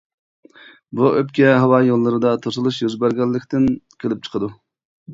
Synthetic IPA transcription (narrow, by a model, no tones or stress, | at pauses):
buʔøpkʲɛɦɑwɑjolˠːɨɾɨd̪ɑt̪ʰosɨlˠuʃjyzbæɾɡʲɛlːɪkʲt̪ɪnkʲʰelɪp̚t͡ʃʰə̥qʰəd̪u